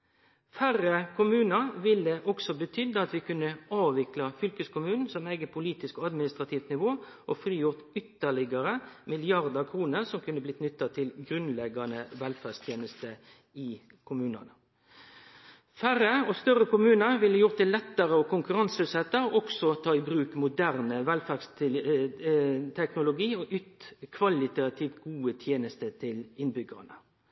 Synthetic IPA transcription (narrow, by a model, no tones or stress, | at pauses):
fæʁəkʰʊmʉːnəʁʋɪld̪əʔɔksɔbət̪ʰʏd̪ːəɑt̪ʋɪkʉnːəɑːʋʋɪklɑfʏlkəskʊmʉːnn̩sɔmæɪɡəpʰʊliːt̪ɪskɔːɑd̪mɪnɪst̪ʁɑt̪ʰiːft̪nɪʋoːʔɔfɾiːjʊʁt̪ʏt̪ːəɭɪɡəʁəmɪlɪɑʁd̪əkʰɾuːnəʁsɔmkʰʉnːəblɪt̪nʏt̪ːɑt̪ʰɪlɡɾʉnlɛɡɑnəʋɛlfæʁst̪ʰjeːnəst̪ə | ɪ | kʰʊmʉːnə̰nə | fæɾəɔst̪œʁəkʊmʉːnəɾʋɪlːəjʊʁt̪̚d̪ɛlɛt̪ːəʁəɔkʊŋkʉʁɑnsʉsɛt̪ːəɾʔɔksɔt̪ʰɑːɪbɾʉːkmʊd̪æʁnəʋɛlfæʁs | t̪ʰɛknʊlʊɡiːɔʔʉt̪kʰʋɑlɪt̪ɑt̪ʰɪːʋt̪ɡ̥uːət̪ʰjeːnəst̪ət̪ʰɪlɪnbʏɡə̰nə